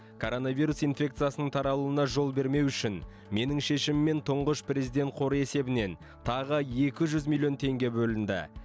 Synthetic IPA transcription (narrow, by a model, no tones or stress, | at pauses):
kʰo̞ɾo̞navijɾusijnfʲe̞k̚t̪sɨjasənəɴt̪ʰɑɾɑlˠuənɑʒo̞lˠbe̞ɾme̞wʏʃɪn | me̞nɪŋʃe̞ʃɪmɪmːe̞nt̪ʰʊɴʁəʃprʲe̞zijd̪ʲe̞nt̪̚qʰo̞ɾəe̞se̞bɪne̞n | t̪ʰɑʁəje̞kʲɪʒʏzmilʲˠːijo̞nt̪ʰe̞ŋɡʲe̞bɵlɪnd̪ɪ̰